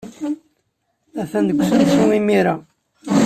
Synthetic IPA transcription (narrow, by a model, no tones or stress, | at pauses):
æθænd̪əkʷːsənt͡sːumimiɾæ